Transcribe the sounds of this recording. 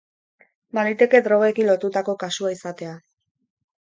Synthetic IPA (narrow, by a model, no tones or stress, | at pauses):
banit̪e̞ke̞d̪ɾo̞ɣe̞kinlo̞t̪ut̪ako̞kasuaisat̪e̞a